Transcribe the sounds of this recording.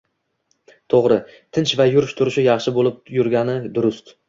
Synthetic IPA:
t̪ʰoʁɾɪt̪ʰɪnt͡ʃvajʊɾɪʃt̪ʰʊɾɪʃɪjɑχʃɪbolˠɪp̚jʊɾɡʲanɪd̪ʊɾʊst̪

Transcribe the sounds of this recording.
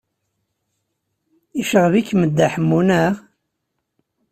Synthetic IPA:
iʃəʁvikːməd̪ːaħəmːunæʁ

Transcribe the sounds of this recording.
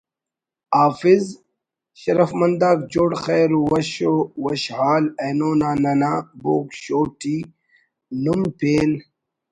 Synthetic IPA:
aːfiz | ɕɐɾɐfmɐnd̪aːk̚d͡ʑoɽxeːɾuwɐɕowɐɕhaːlejnoːnaːnɐnaːboːkɕoːʈi | lumpeːn

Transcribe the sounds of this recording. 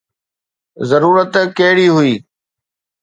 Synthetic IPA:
zəɾuːɾət̪keɦɽiːɦʊiː

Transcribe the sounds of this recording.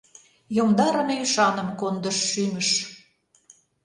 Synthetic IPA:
jomd̪ɑɾə̆nyʃɑnə̆mkond̪əʃːyməʃ

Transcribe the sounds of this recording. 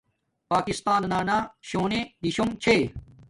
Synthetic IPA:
paːkist̪aːnnaːnaːɕoːnẽːd̪iɕoŋt͡ɕʰeː

